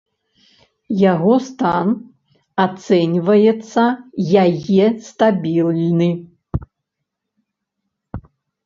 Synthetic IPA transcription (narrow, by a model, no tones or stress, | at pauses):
jaɣɔst̪an | at̪sɛnʲvɐjɛt̪sːɐjajɛst̪abʲilʲnɨ